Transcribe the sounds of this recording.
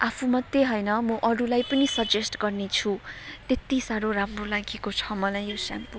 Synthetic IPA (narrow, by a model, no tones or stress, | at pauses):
apʰumʌt̪ːjeɦʌjnʌmʌʔʌɾulajpʌnisʌd͡zesʈɡʌrnet͡sʰut̪et̪isaɾoramrolaɡekot͡sʰʌmʌlajːosampu